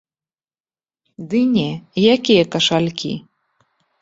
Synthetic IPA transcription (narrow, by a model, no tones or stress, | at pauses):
d̪ɨnʲɛjakʲijɐkɐʂalʲkʲḭ